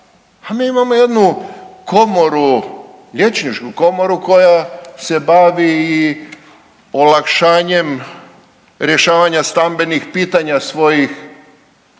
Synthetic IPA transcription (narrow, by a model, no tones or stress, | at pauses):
amiːimamo̞je̞d̪nuko̞mo̞ɾu | ʎʲe̞t͡ʃɲit͡ʃkuko̞mo̞ɾuko̞jase̞baʋiː | olakʃaːɲe̞m | ɾje̞ʃaːʋaɲast̪ambe̞nixpiːt̪aɲasʋo̞jix